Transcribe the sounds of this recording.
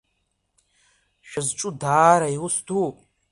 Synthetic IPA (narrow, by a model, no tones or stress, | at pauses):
ʃᶣazʈ͡ʂʼudaːɾaiwʊsdʰu